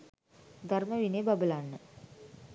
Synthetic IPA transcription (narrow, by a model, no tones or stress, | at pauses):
d̪arməʋineːbabəlanːə